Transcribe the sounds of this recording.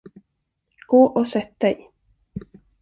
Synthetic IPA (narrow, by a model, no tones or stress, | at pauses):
ɡ̥oːʔɔsɛt̪̚d̪ɛj